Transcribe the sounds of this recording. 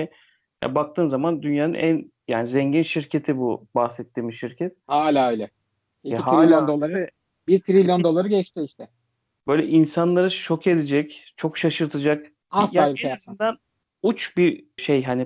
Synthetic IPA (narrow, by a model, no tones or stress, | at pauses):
ɛ | ja̰bakt̪ʰɯːmzamand̪ynjaːnɯ̰nʔænjaːnizɛɲɟinʃiɾcʰe̞t̪ʰibubahsɛt̪ʰːiːmiʃiɾcʰɛt̪̚haːlʲaːajlʲɛ | iɛiɦaɾilʲjond̪o̞lˠaɾɯ | biɾt̪ʰɾilʲjond̪o̞lˠaɾɯɟɛt͡ʃt̪ʰɪiʃt̪ʰɛ | b̥ø̞jlʲɛʔinsanlˠaɾɯʃo̞kʰe̞d̪ed͡ʒɛct͡ʃʰo̞kʃaʃɯɾt̪ʰɯd͡ʒak | aaasind̪æn | ut͡ʃbiɾʃejɦani